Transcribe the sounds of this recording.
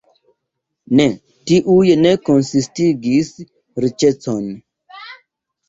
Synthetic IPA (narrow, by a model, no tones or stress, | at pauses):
ne | tiʔujene̞konsistiɡis | ɾit͡ʃet͡son